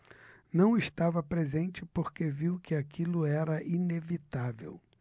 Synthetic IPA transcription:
nɐ̃w̃ɪst̪avɐpɾezẽnt͡ʃɪpoɾkeviwkɪakilʊɛɾɐʔinevit̪avḛw

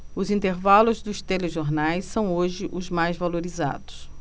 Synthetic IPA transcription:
ʊzĩnt̪eɾvalʊzd̪ʊst̪eleʒoɾnajsːɐ̃w̃oʒɪʔʊzmajzvaloɾiza̰d̪ʊ̥s

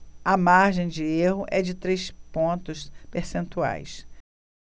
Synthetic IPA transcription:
ɐmaɾʒẽj̃d͡ʒɪeɦʊʔɛd͡ʒɪt̪ɾejspõnt̪ʊspeɾsẽnt̪ua̰js

